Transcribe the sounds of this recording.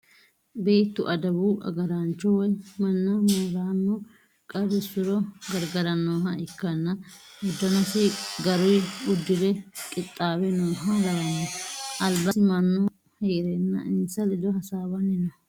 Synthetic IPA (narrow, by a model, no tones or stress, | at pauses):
beːt̪ːʊʔɐd̪ɐbuɐ̰ɡɐɾaːnt͡ʃːɔwɔjmɐnːɐmoːɾaːnːɔ | kʼɐd̪ʊsʊɾɔɡɐɾɡɐɾɐnoːɦɐɪkːɐnːɐ | ʊd̪ːɐnɐseɡɐɾʊjʊd̪ːɪd̪ɛkʼɪt̪ʼːaːwɛnoːɦɐlɐɾɐnːɔʔɐlbɐsɪmɐnːɔ | heːɾɛnːɐ̰ʔɪnsɐlɪd̪ɔhɐsaːbɐnɪnɔ